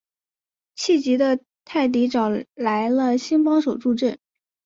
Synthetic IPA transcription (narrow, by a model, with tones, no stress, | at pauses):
t͡ɕʰi˥˩t͡ɕi˧˥d̪ə˧ | t̪ʰa˥˩ɪt̪̬i˧˥ʈ͡ʂɑ˨˩ʊla˧˥ɪlə˧ɕi˥nfɑ˥ŋʂo˨˩ʊʈ͡ʂu˥˧ʈ͡ʂə˥˩n